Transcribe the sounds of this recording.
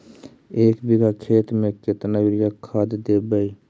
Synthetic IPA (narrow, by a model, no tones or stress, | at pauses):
eːkbiɡakʰeːt̪ɾmẽket̪nabɪɾɡakʰaːd̪d̪eːbəi